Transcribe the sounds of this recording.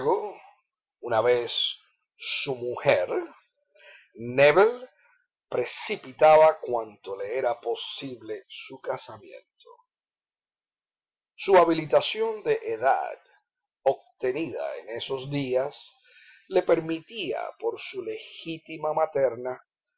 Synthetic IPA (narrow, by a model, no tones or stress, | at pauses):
ɣo | unaβe̞sː | umuheɾ | neβel | pɾe̞sipit̪aβakwant̪o̞le̞e̞ɾapo̞siβle̞sukasamjḛ̃nt̪ʰo | suaβilit̪asjo̞nd̪e̞ʔeða̰d̪ | o̞b̚t̪e̞niða̰ḛne̞so̞sd̪ias | le̞pe̞ɾmit̪ia̰po̞ɾsule̞xit̪imamat̪e̞ɾna